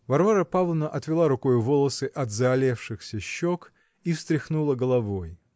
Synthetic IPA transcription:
vɐrvaɾəpavlˠnəʔɐt̪vʲɪlˠaɾʊko̞jʊvolˠəsɨʔɐd̪zɐɐlʲefʂɨxsʲəɕːok | ifst̪ɾʲɪxnulˠəɡəlˠɐvo̞j

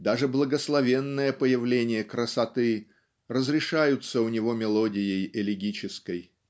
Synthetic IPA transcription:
d̪aʐɨblˠəɡəslˠɐvʲe̞nːəjəpəjɪvlʲenʲɪjəkɾəsɐt̪ɨ | rəzɾʲɪʂajʊt̪səʊnʲɪvo̞mʲɪlˠodʲɪjɪjɪlʲɪɡʲit͡ɕɪskəj

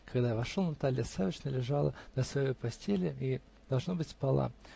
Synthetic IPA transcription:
kɐɡd̪ajavɐʂolˠnɐt̪alʲɪjəsavət͡ɕnəlʲɪʐalˠə̰nəsvɐjojpɐsʲtʲelʲɪi | d̪̥ɐlˠʐno̞bɨtʲpɐlˠa̰

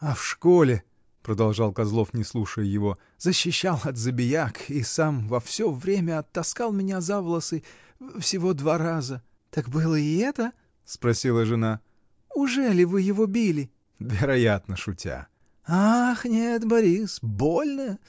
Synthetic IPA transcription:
ɐfʂko̞lʲɪ | pɾəd̪ɐlˠʐɑlˠkɐzlˠo̞fnʲɪslˠuʂəjjɪvo̞ | zəɕːɪɕːalˠɐt̪zəbʲɪjakisamvɐfsʲovɾʲemʲəɐt̪ːɐskalˠmʲɪnʲazavlˠəsɨ | fsʲɪvo̞d̪vaɾazə | t̪akbɨlˠəɪɛt̪ə | spɾɐsʲilˠəʐɨna | ʊʐɛlʲɪvɨjɪvo̞bʲilʲɪ | vʲɪɾɐjat̪nəʂʊtʲa̰ | axnʲet̪bɐɾʲisbolʲnə

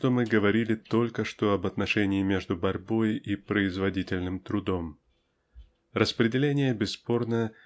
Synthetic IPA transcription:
t̪omɨɡəvɐɾʲilʲɪt̪o̞lʲkəʂt̪o̞ɐbɐt̪nɐʂɛnʲɪːmʲeʐd̪ʊbɐɾʲbo̞jipɾəɪzvɐdʲitʲɪlʲnɨmt̪ɾʊd̪o̞m | rəspɾʲɪdʲɪlʲenʲɪjəbʲɪsːpo̞rnə

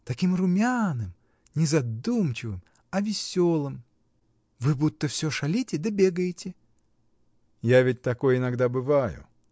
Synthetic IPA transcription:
t̪ɐkʲimrʊmʲanɨm | nʲɪzɐd̪umt͡ɕɪvɨm | ɐvʲɪsʲo̞lˠɨm | vɨbut̪ːəfsʲoʂɐlʲitʲɪd̪əbʲeɡəjɪtʲɪ | javʲɪt̚ʲt̪ɐko̞jɪnɐɡd̪abɨvajʊ̰

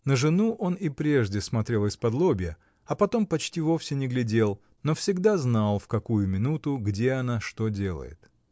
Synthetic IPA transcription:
nəʐɨnuʔo̞nɪpɾʲe̞ʐdʲɪsmɐt̪ɾʲe̞lˠɪspɐd̪lˠobʲɪjə | ɐpɐt̪o̞mpɐt͡ɕtʲivo̞fsʲɪnʲɪɡlʲɪdʲe̞lˠ | no̞fsʲɪɡd̪aznalˠfkɐkujʊmʲɪnut̪ʊɡdʲeɐnaʂt̪odʲe̞lˠə̰jɪ̰t̪

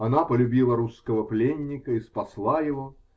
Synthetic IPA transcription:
ɐnapəlʲʉbʲilˠəɾuskəvəplʲenʲːɪkəispɐslˠajɪvo

